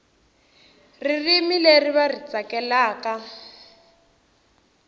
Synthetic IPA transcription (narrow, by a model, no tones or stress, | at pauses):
ririmileriβarit͡sakɛlaːka